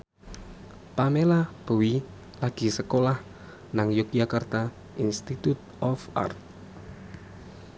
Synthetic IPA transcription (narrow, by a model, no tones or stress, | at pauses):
pamelab̥ə̤wi | laɡ̥i̤səkolah | naŋjokjakart̪a | inst̪it̪ut̪̚ | ɔfa̰rt̪̚